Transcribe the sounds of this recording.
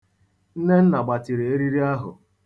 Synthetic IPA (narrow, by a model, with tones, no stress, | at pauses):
n̩˦ne˦n̩˦na˨ɡ͡ba˨ti˨ɾe˨e˦ɾi˦ɾi˦a˦ɦʊ̰˨